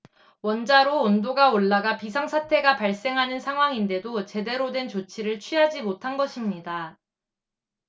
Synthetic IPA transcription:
wʌnd͡ʑaɾoːndoɡaoɭːaɡapisʰaŋsʰatʰe̞ɡapaɭs͈e̞ŋɦanɯnsʰaŋɦwaŋinde̞dot͡ɕe̞de̞ɾodwe̞nt͡ɕot͡ɕʰiɾɯɭt͡ɕʰɥiɦad͡ʑimotʰanɡʌɕʰimɲida

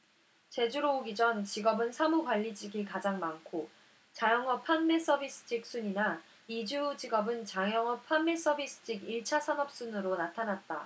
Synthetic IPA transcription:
t͡ɕe̞d͡ʑuɾoːɡid͡ʑʌnt͡ɕiɡʌbɯnsʰamukwaʎːid͡ʑiɡikad͡ʑaŋmankʰo | t͡ɕajʌŋʌpʰanːe̞s͈ʌbis͈ʰɯ̥d͡ʑik̚s͈uɲina | id͡ʑud͡ʑiɡʌbɯnt͡ɕaŋjʌŋʌpʰamːe̞s͈ʌbis͈ɯ̥d͡ʑ͈iɡiɭt͡ɕʰasʰanʌp̚s͈unɯɾonatʰanat̚t͈a

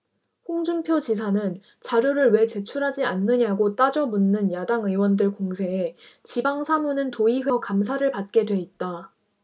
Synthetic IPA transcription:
ɸoŋd͡ʑumpʰjot͡ɕis̬ʰanɯn | t͡ɕaɾjoɾɯɭwe̞t͡ɕe̞t͡ɕʰuɾɦad͡ʑianːɯɲaɡot͈ad͡ʑʌmunːɯnjadaŋɯwʌndɯɭkoŋsʰe̞ːt͡ɕibaŋsʰamunɯntoiɸekams̬ʰaɾɯɭpat̚k͈e̞dwe̞it̚t͈a

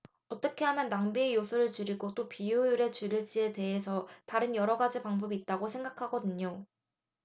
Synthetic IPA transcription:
ʌt͈ʌkʰeɦamjʌnːaŋbiejosʰuɾɯɭt͡ɕuɾiɡot͈opijojuɾe̞t͡ɕuɾiɭt͡ɕ͈ie̞te̞ɦe̞s̬ʰʌtaɾɯnjʌɾʌɡad͡ʑipaŋbʌbiːt̚t͈aɡosʰe̞ŋɡakʰaɡʌdɯɲɲo

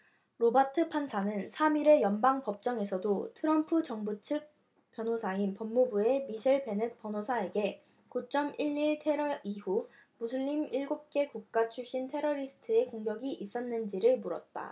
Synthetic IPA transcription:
ɾobatʰɯpʰansʰanɯnsʰamiɾe̞jʌnbaŋpʌp̚t͡ɕ͈ʌŋe̞sʰʌdotʰɯɾʌmpʰɯd͡ʑʌŋbut͡ɕʰɯk̚ | pjʌnɦosʰainpʌmːubue̞miɕʰiɭpe̞net̚p͈ʌnosʰae̞ɡe̞ | kut͡ɕ͈ʌmiɭːiɭtʰe̞ɾʌihu | musʰɯɭːimiɭɡop̚k͈e̞kuk̚k͈at͡ɕʰuɭɕ͈intʰe̞ɾʌɾisʰɯ̥tʰɯe̞koŋɡjʌɡiʔis͈ʌnːɯnd͡ʑiɾɯɭmuɾʌt̚t͈a̰

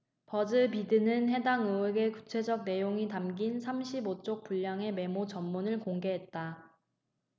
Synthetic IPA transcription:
pʌd͡ʑɯpidɯnɯnɦe̞daŋɯweɡe̞kut͡ɕʰe̞d͡ʑʌk̚ne̞joŋitamɡinsʰamɕʰibot͡ɕ͈ok̚p͈uʎːaŋe̞me̞mot͡ɕʌmːunɯɭkoŋɡe̞ɦe̞t̚t͈a

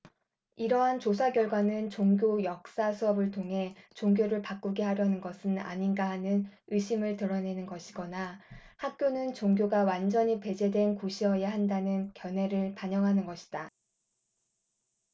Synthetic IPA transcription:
iɾʌɦant͡ɕosʰaɡjʌɭɡwanɯnt͡ɕoŋɡjojʌk̚s͈asʰuʌbɯɭtʰoŋɦe̞t͡ɕoŋɡjoɾɯɭpak͈uɡe̞ɦaɾjʌnɯnɡʌsʰɯna̰ɲinɡaɦanɯnɯɕ͈ʰimɯɭtɯɾʌne̞nɯnɡʌɕʰiɡʌnahak̚k͈jonɯnt͡ɕoŋɡjoɡawand͡ʑʌɲipe̞d͡ʑe̞dwe̞nkoɕʰiʌjaɦandanɯnkjʌnɦe̞ɾɯɭpaɲʌŋɦanɯnɡʌɕʰi̥d̥a

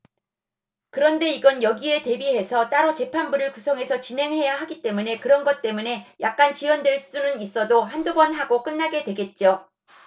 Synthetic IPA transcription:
kɯɾʌnde̞iɡʌnjʌɡie̞te̞biɦe̞sʰʌt͈aɾʌt͡ɕe̞pʰanbuɾɯɭkusʰʌŋɦe̞sʰʌt͡ɕinɦe̞ŋɦe̞jaɦaɡit͈e̞mune̞kɯɾʌnɡʌt̚t͈e̞mune̞jak̚k͈ant͡ɕiwʌndwe̞ɭs͈unɯnis͈ʌdoɦandoɡʌnɦaɡok͈ɯnːaɡe̞dwe̞ɡe̞t̚t͡ɕ͈o

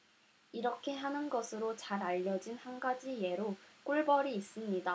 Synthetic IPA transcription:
iɾʌkʰe̞ɦanɯnɡʌsʰɯɾot͡ɕaɾaʎːʌd͡ʑinhanɡad͡ʑije̞ɾok͈uɭbʌɾiːs͈ɯmɲida

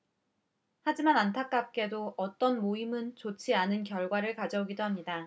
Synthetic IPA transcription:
had͡ʑimanantʰak͈ap̚k͈e̞doʔʌt͈ʌnmoimɯnt͡ɕot͡ɕʰianɯnkjʌɭɡwaɾɯɭkad͡ʑʌuɡidoɦamɲida

